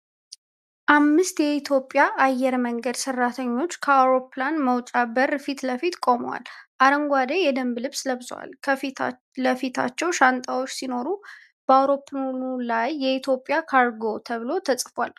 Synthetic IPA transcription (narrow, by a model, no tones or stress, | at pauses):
ʔamːɨst̪jɛit̪ʰjo̞pʼːjaʔajːɛɾməŋɡəd̪sɨrːat̪ʰəɲːo̞t͡ʃːkʰəawɾo̞planməwt͡ʃʼabəɾfit̪ləfit̪kʼo̞mə̰wa̰lʔaɾəŋɡʷwad̪ejɛd̪əmblɨβsləβzwa̰lkʰəf | ləfit̪ʰa̰t͡ʃːɛwʃant̪ʼawo̞t͡ʃːsino̞ɾu | b̥əawɾo̞pʰlunulajːɛit̪ʰjo̞pʼːjakʰaɾɡo̞t̪ʰəβɨlo̞t̪ʰəsʼfa̰l